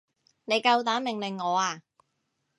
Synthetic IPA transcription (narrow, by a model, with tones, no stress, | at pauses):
ne˨˧jkɐ˧wt̪aː˨˥mɪ˨ŋlɪ˨ŋːɔː˨˧aː˧